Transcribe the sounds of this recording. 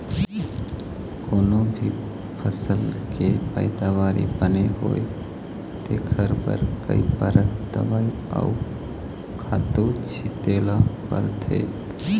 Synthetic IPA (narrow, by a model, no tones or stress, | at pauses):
koːnobʱi | pʰəsəlkepə̰ɪd̪aʋaːɾḭbəneɦo̰ːe | t̪ḛkʰəɾbə̰ɾkə̰ipəɾət̪ə̰ʋai | a̰u | kʰaːt̪ot͡ʃʰit̪eːlapə̰ɾt̪ʰḛː